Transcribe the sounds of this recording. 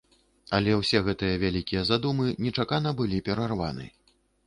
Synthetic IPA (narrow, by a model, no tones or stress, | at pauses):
ɐlʲɛwsʲɛɣɛt̪ɨjɐvʲalʲikʲijɐzad̪umɨnʲɛt͡ʂakanɐbɨlʲipʲɛɾarva̰nɨ̰